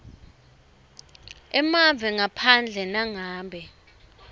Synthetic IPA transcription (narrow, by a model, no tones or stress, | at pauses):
ɛmavɛŋapʰand͡ɮʱɛnaŋaːbʱɛ